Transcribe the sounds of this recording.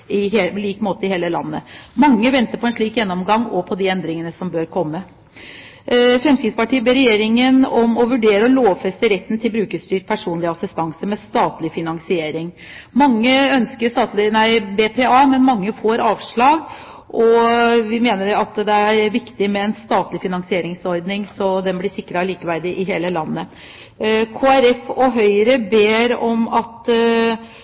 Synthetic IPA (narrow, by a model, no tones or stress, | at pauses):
ɪhliːkmoːt̪əɪheːləlɑ̰nːə̰mɑŋːəʋɛnt̪əɾpʰɔɛnʂɭiːkjɛnːɔmɡɑŋːɔpʰɔd̪ɪɛnd̪ɾɪŋənəsɔmbøːɾkʰɔmːə | fɾɛmskɪd̪spɑʈiːəbeːɾɛjeːɾɪŋənɔmɔʋʉɖeːɾəɔloːʋfɛst̪əɾɛt̪ːn̩t̪ʰɪlbɾʉːkəst̪yːʈ̚pʰæʂuːnlɪɑsɪst̪ɑŋsəmɛst̪ɑːt̪lɪfɪnɑŋsɪeːɾɪŋ | mɑŋːəœnskəɾʂt̪ɑːt̪lɪnæɪbeːpʰeːɑːmɛnmɑŋːəfoːɾɑːʋʂɭɑːɡ | ʔɔʋɪmeːnəɾɑt̪d̪ɛæɾʋɪkt̪ɪmɛɛnst̪ɑːt̪lɪfɪnɑŋsɪeːɾɪŋsɔɾd̪nɪŋsɔd̪ɛnblɪʂɪkːɾɑliːkəʋæɾd̪ɪʔɪɦeːləlɑnːə | kʰoːæɾɛfɔɦœʏɾəbeːɾɔmɑt̪